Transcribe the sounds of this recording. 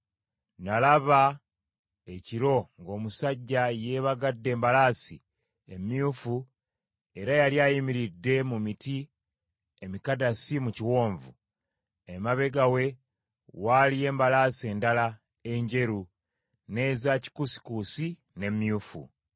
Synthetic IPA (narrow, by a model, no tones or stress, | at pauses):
nalaβa | eciɾo̞ŋɡo̞ːmusaɟːaje̞ːβaɡadːe̞ːmbalaːsḭ | emjufu | e̞ɾajaljaːjimiɾidːe̞mumiti | emikadasimuciwo̞ːɱvṵ | emaβe̞ɡawe̞ | walije̞ːmbalaːsie̞ːndala | e̞ɲɟe̞ɾu | ne̞ːzaci̥kusi̥kusi | ne̞mjuːfṵ